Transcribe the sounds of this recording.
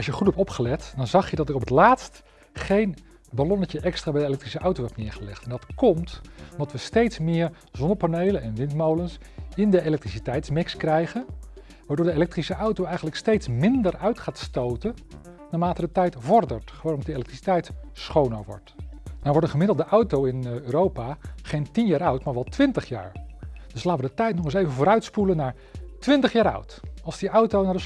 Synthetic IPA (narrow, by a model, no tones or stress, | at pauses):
ɑlˠʃjəχutɦɛp̚tɔpχəlɛtdɑnzɑχjədɑtɪkɔpətlaːtst | χejn | balɔnəcəʔɛkstraːbɛjdəelɛk̚trisəʔɑwtowɦɛtnɪːɹχəlɛ̰χtɛndɑtkɔmtɔmdɑtʋəstejtsmɪːɹ | z̥ɔndəɹpanejlənɛnʋɪntmowləns | ɪndəejlɛk̚trisitɛjtsmɪkskrɛjχən | ʋaːdʊːɹdəelɛk̚trisəʔɑwtowɛjχənləkstejtsmɪndəɹœɥtχaːtstowtə | naːɹmaːtədətɛjtvɔɹdə̰ɹtχəʋoːtdəejlɛktrisi̥tɛjtsχownə̰ɹʋɔ̰ɹtnaːɹʋɔɹdənχəmɪdl̩ˠdəʔɑwtowɪnøːɾowpaːχejntinjaːɾœɥtmaːɹʋɛlˠtʋɪntəχja̰ːɹd̥ɵslaːtəʋədətɛjtnɔχɪsejvənvʊːɾœɥtspulənːaːɹ | tʋɪntəχjaːɾœ̰ɥtɑlˠzdiʔɑwtownaːɹdə